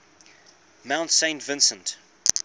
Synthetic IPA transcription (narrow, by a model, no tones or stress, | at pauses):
mãʊ̃ntsẽɪ̃ntvɪ̃nsə̃nt